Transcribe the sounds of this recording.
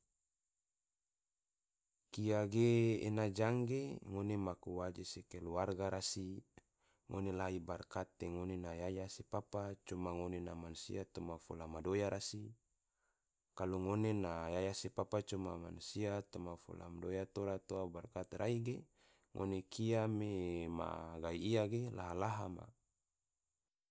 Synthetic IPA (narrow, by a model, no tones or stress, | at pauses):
kijaɡḛːnad͡ʒaŋɡeŋonemakuwad͡ʒesekeluarɡaɾasi | ŋo̰nelaibarkat̪ːeŋonenajajasepapat͡ʃumaŋonenamanusḭat̪omafolamadojaɾasi | kaluŋonenajajasepapat͡ʃumama̰nusiat̪omafṵla̰mdojat̪oɾat̪oabarkat̪ɾʔaiɡe | ŋʔo̰nekiamema̰ɡaiːaɡelaɦalaɦama̰